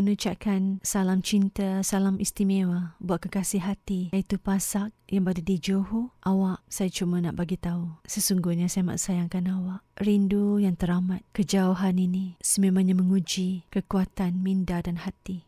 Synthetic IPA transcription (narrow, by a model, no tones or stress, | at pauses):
mənut͡ʃaʔkansalamt͡ʃint̪asalamist̪imewabuaʔ̪̚kakasiɦat̪iit̪upasak̚jaŋbadadid͡ʒoɦuʔawaʔsajat͡ʃumana̰ʔbaɡit̪ausəsuŋɡuɲasajama̰ʔsajaŋkanawaʔrindujaŋt̪əɾamat̪̚kəd͡ʒauɦaninisəmemãɲaməŋud͡ʒikəkuat̪anmindadanhat̪i